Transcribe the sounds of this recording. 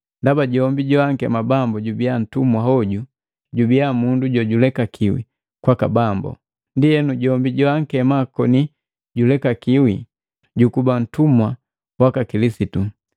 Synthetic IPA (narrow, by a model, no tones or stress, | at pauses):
ndabaɟɔmbiɟɔaŋkɛmabambɔɟubian̩tumwahɔɟu | ɟubiamunduɟɔɟulɛkakʰiwḭ | kwakabambɔ̰ | ndiɛnuɟɔmbiɟɔaŋ̩kɛmakɔni | ɟulɛkakiwi | ɟukuban̩tumwa | wakakilisitu